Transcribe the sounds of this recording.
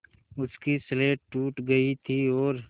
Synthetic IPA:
ʊskisleːʈʈuːʈɡɐit̪ʰiɔːɾ

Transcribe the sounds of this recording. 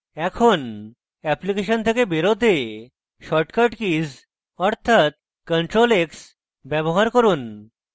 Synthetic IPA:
ɛkʰon | ɛplikeɕənt̪ʰekebeɾot̪e | ʃɔʈkaʈkis | ɔɾt̪ʰat̪̚ | kəɳʈɾoleks | bɛboɦaɾkɔɾuːn

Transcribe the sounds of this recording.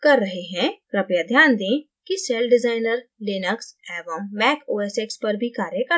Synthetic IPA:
kɐɾːɐɦeɦɛ̃kɾɐpjad̪ʱjaːnd̪ẽː | kisɛːlɖɪzaːɪnəɾlɪnəksɛːʋəmːɛːkoːɛsekspɐɾbʱikaːɾjəkə

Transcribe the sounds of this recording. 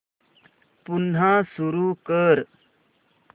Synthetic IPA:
punãsuɾuːkəɾ

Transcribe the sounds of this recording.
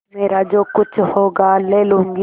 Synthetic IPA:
meːɾad͡ʒoːkʊt͡ʃʰhoːɡaleːlũːŋɡ

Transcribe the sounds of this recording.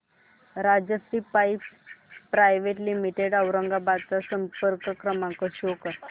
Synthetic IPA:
ɾad͡ʑəsɾipajppːɾajʋeʈlimiʈeɽəwɾəŋɡabad̪t͡sasəmpəɾkəkɾəmaŋkəɕokə

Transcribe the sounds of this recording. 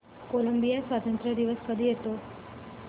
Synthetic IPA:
koləmbijasʋat̪ənt̪ɾəd̪iʋəspəd̪ʱiɦet̪o

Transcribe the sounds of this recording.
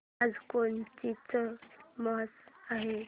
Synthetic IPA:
ad͡zkont͡ʃit͡səməɦətaɦe

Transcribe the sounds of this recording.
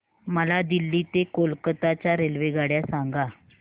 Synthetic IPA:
məlad̪ilːiːt̪ekolkət̪at͡ɕjaɾelʋeɡaɽjasaŋɡa

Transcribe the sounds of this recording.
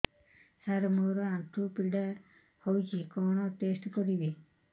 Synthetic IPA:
saɾmoɾɔant̪upilɖa | hojkikɔɳ̃ɔʈesʈkɔɾibi

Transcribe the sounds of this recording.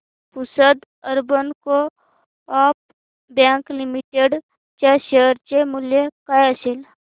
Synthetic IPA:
pʊsəd̪ | əɾbənko | aːp̚ | bjãːŋklɪmiʈeɖ | t͡ʃaʃeəɾt͡ʃemʊljekajsel

